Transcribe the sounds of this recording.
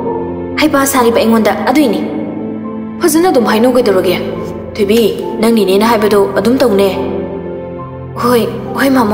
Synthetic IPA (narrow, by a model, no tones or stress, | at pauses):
hajpasaɾibɐeŋondɐːdojni | pʰɐzɐnɐdumɦajnowɡejdɐɾoɡea | tʰojbinɐŋninenɐɦajbɐdɔɐdumtɐwne | ojhojmam